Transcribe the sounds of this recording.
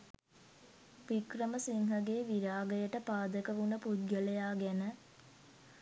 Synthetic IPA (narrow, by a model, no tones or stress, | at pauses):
ʋikrəməsiŋɦɐɡeːʋiɾaːɡəjəʈəpaːd̪əkəʋunəpud̪̚ɡəlejaːɡɛnə